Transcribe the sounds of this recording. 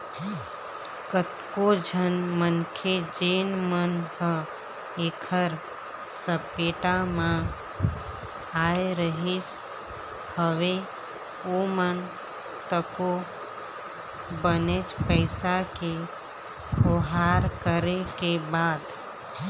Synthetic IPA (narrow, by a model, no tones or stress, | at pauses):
kət̪kod͡ʒʱənmənkʰed͡ʒeːnmənɦə | ekʰəɾ | səpeːʈamã | aːjɾəɦis | həʋe | omən | t̪əko | bənet͡ʃpəɪsake | kʰoɦaːɾkəɾekebaːd̪